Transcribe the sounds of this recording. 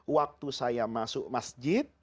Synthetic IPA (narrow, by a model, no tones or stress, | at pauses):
wak̚t̪usajamasʊʔmasd͡ʒɪt̪̚